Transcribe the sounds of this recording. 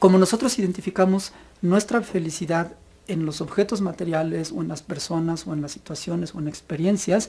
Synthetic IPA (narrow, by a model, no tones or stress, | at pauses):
ko̞mo̞no̞so̞t̪ɾo̞siðent̪ifikamo̞z | nwe̞st̪ɾafe̞lisiðað | e̞nlo̞so̞βxe̞t̪ozmat̪eɾjale̞so̞enlaspe̞ɾso̞naso̞enlasːit̪wasjo̞ne̞so̞enekspe̞ɾje̞nsjas